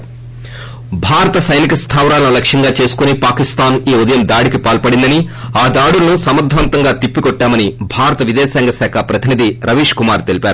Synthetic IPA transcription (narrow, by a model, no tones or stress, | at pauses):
bʱaːɾɐt̪ɐsɐjnikɐst̪ʰaːʋɾaːlɐnulɐkʂɐŋɡaːt͡ʃe̞ːsu̥kunipaːkist̪aːniːud̪ɐjɐmd̪aːɽikipaːlpɐɽind̪ɐniaːd̪aːɽulɐnusɐmɐd̪ʱʋɐnt̪ɐŋɡaːt̪ipːikɔʈːaːmɐnibʱaːɾɐt̪ɐʋid̪ɛːsaːŋɡɐsaːkʰɐpɾɐt̪ʰinid̪ʱiɾɐʋiːʂkumaːɾt̪e̞lipaːɾu